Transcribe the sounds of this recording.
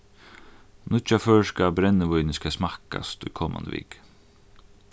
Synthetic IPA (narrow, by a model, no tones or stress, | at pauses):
nʊt͡ʃafœːskabɾɛnːəʋɔjnɪskʰasmaka̰st̪ʊjkʰoːma̰nd̪ə̰ʋḭːk